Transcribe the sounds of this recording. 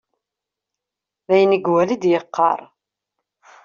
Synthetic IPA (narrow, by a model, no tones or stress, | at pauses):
ðæjəniɡwælid̪jəqːɑ̰ɾˤ